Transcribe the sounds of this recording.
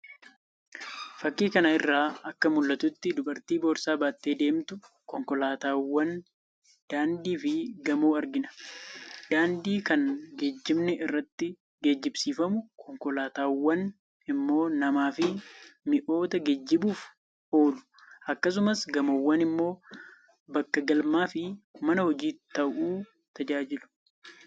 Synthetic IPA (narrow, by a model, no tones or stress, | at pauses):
fɐkːiːkɐnɐɪrːaːɐkːɐmʊlːɐt̪ʊt̪ːɪd̪ʊbɐɾt̪iːbo̞ːɾsaːbaːt̪ːe̞ːd̪e̞ːmt̪ʊ | kɔŋkɔlaːt̪aːwɐn | d̪̥aːnd̪iːfɪɡɐmoːɐɾɡɪnɐ̥ | d̪̥aːnd̪iːkɐnɡed͡ʒːɪmnɛʔɪrːɐt̪ːɪ | ɡeːd͡ʒːɪbsiːfɐmʊkʰɔŋkɔlaːt̪aːwːɐn | ɪmːo̞ːnɐmaːfɪmɪʔo̞ːt̪ɐɡɛd͡ʒːɪbuːf | o̞ːlʊ̥ | ʔɐkːɐs̬ʊmɐsɡɐmowːɐnɪmːo̞ː | bɐkːɐɡɐlmaːfɪmɐnɐhɔd͡ʒiːt̪ːɐʔuː | t̪ʰɐd͡ʒaːd͡ʒɪlʊ̥